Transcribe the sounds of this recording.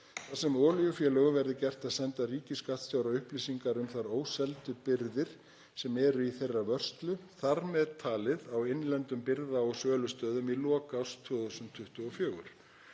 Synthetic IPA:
θasɛmɔːlijʏfjɛːlœɣʏvɛɾðɪcɛr̥t̪aðsɛnt̪ariːcɪskat̪sjaːwɾawʏhplisiŋkaɾʏmθaɾoːwsɛlt̪ʏpɪɾðɪɾ̥ | sɛmɛɾʏiθejrːavœr̥st̪lʏθaɾmɛðt̪ʰaːlɪðawɪnlɛnt̪ʏmpɪɾðaɔsœːlʏst̪œːðʏmilɔːkawst̪ʰʏðɔsʏmnt̪ʰːʏht̪ʏɔfjœːɣʏ̰ɾ̥

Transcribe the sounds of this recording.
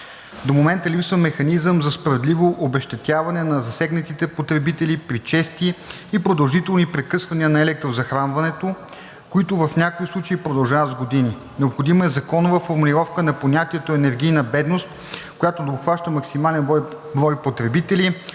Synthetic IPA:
d̪omomɛnt̪əlipsvəmːɛxɐnizəmzɐspɾɐvɛd̪livoʔobɛʃt̪ɛt̪ʲjavɐnɛnɐzɐsɛɡnət̪it̪ɛpot̪ɾɛbit̪ɛlipɾit͡ʃɛst̪iː | pɾod̪ɐlˠʒit̪ɛlˠnipɾɛkɤsvɐniənɐɛlɛk̚t̪ɾozɐxɾanvɐnɛt̪o | koit̪ʊvɐfnʲakoislˠut͡ʃɐipɾod̪ɐlˠʒavɐt̪zɡod̪ini | nɛopxod̪imɐɛzɐkɔnovəfoɾmulʲiɾɔfkənɐponʲat̪iɛt̪oɛnɛɾɡʲijnəbɛd̪nost̪ | kojat̪od̪opxvaʃt̪əmɐksimalɛn | bɾɔjpot̪ɾɛbit̪ɛli

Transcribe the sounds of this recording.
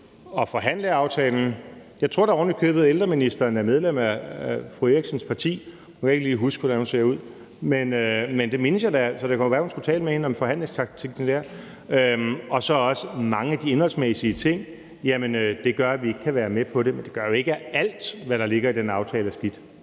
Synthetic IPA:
ɒ̽fɒ̽ɦæn̰ləɑ̈ʊt͡sʰɛːln̩jɑ̈ɪt͡sʰʁo̝ɐ̰̥ɑ̈ɒːnlikʰø̰ːb̥ð̩ˠeld̥ʁɐminisd̥ɐːnæɐmeð̞ˠlem̰æfʁueɡ̥sənspʰɑ̈t͡sʰḭː | hunkʰæe̝ɡ̥əliːɦusɡ̥ʰud̥æhunse̝ɐuð̞̰ˠ | menømend̥e̝me̝nəsjɑɪdæsɒ̽ɾ̥ekʰæoʋæːɐhunsɡ̥ut͡sʰɛːləmehe̝nəɒ̽mfɒ̽ɦæn̰le̝ŋst͡sʰɑ̈ɡ̥̚t͡sʰiɡ̥n̩d̥æɐ̰ | øɒ̽sɒ̽ɒ̽səmɑ̈ŋəæd̥ie̝nhɒ̽l̰smesiət͡sʰe̝ŋ̰ | jæmənød̥e̝ɡ̥ɶɐæʋie̝ɡ̥ə̥kʰæʋæːɐmepʰɒ̽dɾe̝mend̥e̝ɡ̥ɶɐjo̝e̝ɡ̥əæl̰d̥ʋæɾ̥ɑ̈le̝ɡ̥ɐid̥enɑ̈ʊt͡sʰɛːlæsɡ̥id̥

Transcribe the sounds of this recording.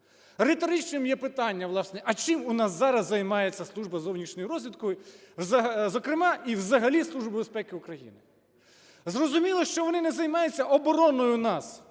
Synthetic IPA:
ɾɪt̪ɔɾɪt͡ʃnɪmjɛpɪt̪ɑnʲːɐʋlˠɑsnɛʔɐt͡ʃɪmʊnɑszɑɾɐzːɐjmɑjet͡sʲːɐslˠuʒbɐzɔwnʲiʃnʲɔjʊɾɔzʲʋʲid̪kɔjʊzɐzɔkɾɪmɑiwzɐɦɐlʲislˠuʒbɪbespɛkɪʊkɾɐjḭnɪ | zrɔzʊmʲilˠɔʃt͡ʃɔʋɔnɪnɛzɐjmɑjʊt͡sʲːɐʔɔbɔɾɔnɔjʊnɑs

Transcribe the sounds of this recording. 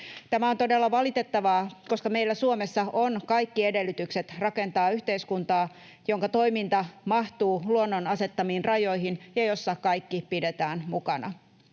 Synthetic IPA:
t̪æmæont̪o̞delːɑʋɑlit̪e̞t̪ːɑʋɑːko̞skɑmejlːæsuomesːɑonkɑjkːie̞delːyt̪ykset̪rɑke̞nt̪ɑːyçt̪e̞iskunt̪ɑː | joŋkɑt̪o̞imint̪ɑmɑht̪uːluonːonɑse̞t̪ːɑmiːnrɑjo̞jɦinjɑjo̞sːɑkɑjkːipide̞t̪æːnmukɑnɑ̰

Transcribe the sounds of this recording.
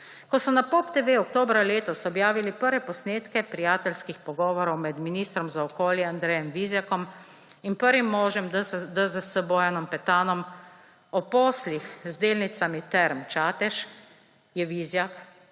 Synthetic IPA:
kɔsɔnapopt̪eʋeːɔkt̪oːbɾaleːt̪ɔsɔbjaːʋilipəɾʋɛpɔsneːt̪kɛpɾijaːt̪ɛlskixpɔɡɔːʋɔɾɔwmɛd̪miniːst̪ɾɔmzaɔkoːljɛand̪ɾɛjɛmʋizjakɔm | inpəɾʋimːɔːʒjɛmd̪əzəsəbɔːjanɔmpɛt̪aːnɔm | ɔpoːslixzd̪eːlnit̪samit̪ɛɾmt͡ʃaːt̪ɛʃ | jɛʋizjak

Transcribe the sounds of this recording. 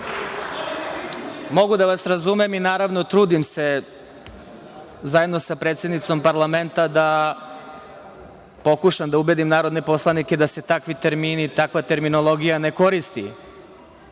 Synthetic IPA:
mo̞ɡud̪aʋasɾazume̞minaːɾaʋno̞t̪ɾuːd̪imse | zaje̞d̪no̞sapɾet̪sje̞d̪nit̪so̞mpaɾlˠament̪ad̪a | po̞kuʃamd̪aube̞d̪imnaːɾod̪ne̞po̞slˠaniked̪ase̞t̪akʋit̪e̞ɾmiːnit̪akʋat̪e̞ɾmino̞lˠo̞ɡijane̞ko̞ɾist̪ḭ

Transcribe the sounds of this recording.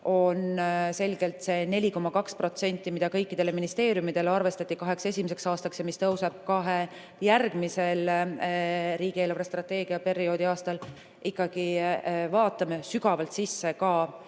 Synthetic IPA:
o̞nse̞lɡ̥e̞lt̪se̞ne̞lʲiko̞mːɑkɑkspro̞t̪se̞nʲt̪ːˑimid̪ɑkɤ̞jkːid̪̥e̞le̞minist̪e̞ːɾjumid̪̥e̞leɑrve̞st̪ɑt̪ːˑikɑɦe̞kse̞sʲimise̞ksɑːst̪ɑksjɑmist̪ɤwseb̥̚kɑɦe̞ | jærɡ̥mise̞l | ɾiːɡ̥ieːlɾest̪rɑt̪ːe̞ːɡ̥iɑpe̞ɾio̞ːd̪̥iɑːst̪ɑl | ʔikːɑɡ̥ivɑːt̪ːˑɑmesyɡ̥ɑvɑlt̪sisːe̞kɑː

